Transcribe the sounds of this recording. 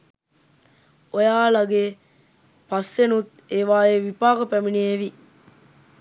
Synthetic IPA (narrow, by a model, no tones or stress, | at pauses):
ojaːlaɡeː | pɐsːenut̪ | eːʋaːeʋipaːkəpæminieʋi